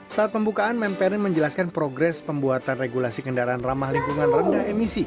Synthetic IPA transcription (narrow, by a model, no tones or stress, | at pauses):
saat̪̚pəmbukaːnmɛmpɛɾɪŋməɲd͡ʒəlaskanpɾoɡɾɛspəmbuat̪anreɡulasikəndaɾaːnramahliŋkuŋanrəndaemisi